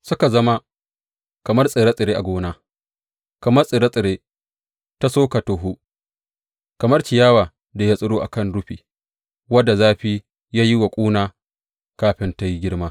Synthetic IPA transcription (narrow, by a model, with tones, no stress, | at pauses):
sʊ˦ka˨zɐ˦ma˦ | kɐ˨mɐ˦rsʼɪ˨ɾa˦sʼɪ˨ɾeː˦ʔa˨ɡʷoː˦naː˦ | kɐ˨mɐ˦rsʼɪ˨ɾa˦sʼɪ˨ɾeː˦ | ta˦soː˦ka˨toː˨ɦu˦ | kɐ˨mɐ˦rt͡ʃɪ˨jaː˦waː˨ | da˨ja˦sʼʊ˦ɽoː˦ʔa̰˨kɐ˦˨nɽʊ˦ɸiː˨ | wɐ˦dːa˨zaː˦ɸiː˦ | jaː˦ji˦wɐ˨kʷʼuː˦naː˦ | kaː˦ɸɪ˦nta˦ji˦ɡʲɪ˦ɽmaː˦